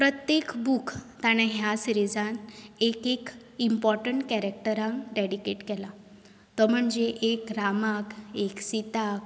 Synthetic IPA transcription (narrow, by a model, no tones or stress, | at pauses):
pɾət̪jekbukʰt̪aɽ̃ãɦjasɾid͡zãnekek | impɔɾʈəɳʈkɛɾek̚ʈəɾãŋkɾɛɽikeʈkɛla | t̪ɔm̤əɳd͡ʑeʔekɾamakeksit̪ak